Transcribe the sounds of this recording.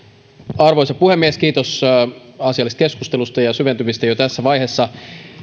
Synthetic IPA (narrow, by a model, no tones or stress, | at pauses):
ɑrʋojsɑpuhemːieskiːt̪os | ɑsiɑlːˑist̪ke̞skust̪e̞lust̪ɑjɑsyʋe̞nt̪ymist̪ɑjot̪æsːæʋɑjhesːɑ